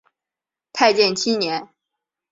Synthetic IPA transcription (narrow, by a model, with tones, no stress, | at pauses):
t̪ʰa˥˧ɪt͡ɕjɛ˥˩nt͡ɕʰi˥njɛ˧˥n